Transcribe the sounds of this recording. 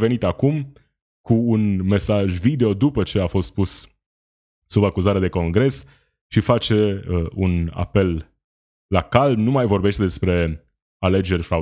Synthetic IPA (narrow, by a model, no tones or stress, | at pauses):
ve̞nit̪akum | kuːnme̞saʒvid̪e̞o̞d̪upət͡ʃe̞afo̞st̪̚pus | subakuzaɾead̪e̞ko̞ŋɡɾe̞s | ʃifat͡ʃe̞əuna̰pe̞lː | akalmnumajvo̞rbe̞ʃt̪e̞d̪e̞spɾe̞ | ale̞d͡ʒe̞rʲfɾa